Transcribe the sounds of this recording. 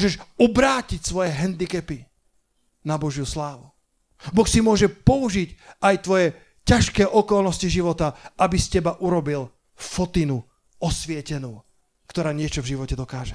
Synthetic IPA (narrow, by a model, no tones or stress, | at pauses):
ʒɛʃubɾaːcicsʋɔjɛɦɛnd̪ikɛpi | nabɔʒjuslaːʋu | bɔxsimʊɔʒɛpɔuʒicajt̪ʋɔjɛ | caʃkɛːʔɔkɔlnɔsciʒiʋɔt̪aabiscɛbaʔuɾɔbil | fɔt̪inu | ɔsʋɪɛcɛnuː | kt̪ɔɾaːɲɪɛt͡ʃɔvʒiʋɔcɛd̪ɔkaːʒɛ